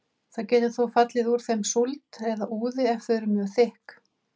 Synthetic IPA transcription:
θaðcɛːt̪ɪθowfat̪lɪðuɾ̥θejmsult̪ɛðaʔuːðɪɛfθʏɾʏmɛθɪhk

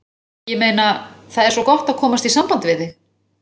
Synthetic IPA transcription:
jɛmeːjnaθaðɛɾsvɔkɔht̪aðkʰɔːmast̪isampant̪ɪvɪðɪ

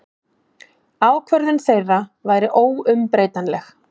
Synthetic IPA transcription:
aːwkʰvœɾðɪnθejravaːjɾɪʔoːwʏmpɾeːjt̪anlɛx

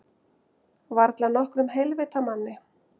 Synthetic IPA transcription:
vaɾt̪lanɔhkɾʏmɦɛlvɪːt̪amanːɪ

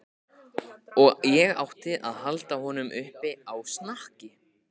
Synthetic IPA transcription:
ɔɣjɛɣa̰wht̪ɪðaðhalt̪ahɔnʏmʔʏhpɪawsnahcɪ

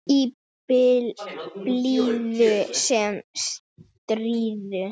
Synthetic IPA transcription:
i | pɪlpliðʏsɛms | t̪ɾiːðʏ

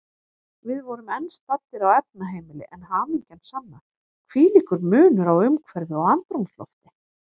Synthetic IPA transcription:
vɪðvɔɾʏmɛnst̪at̪ːɪɾawɛp̚naɦeːjmɪlɪ̰ʔɛnɦanicɛnsanːa | kʰviːliːkʏɾmʏːnʏɾawʏmkʰvɛɾðɪɔɣant̪ɾumslɔ̰ft̪ɪ

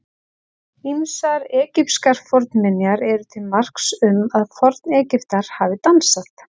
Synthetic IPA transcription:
imsaɾɛːcɪpskaɾ̥fɔɾt̪nmɪnjaɾɛɾʏt̪ʰɪlmar̥ksʏmaðfɔɾt̪nɛːcɪft̪aɾ̥haːvɪt̪ansaht̪

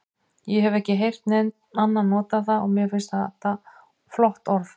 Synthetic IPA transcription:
jɛɦɛvɛhcɪɦejr̥t̪nɛnt̪̚anːanːɔːt̪aθaɔɣmjɛfɪnst̪aat̪a | flɔht̪ɔɾf

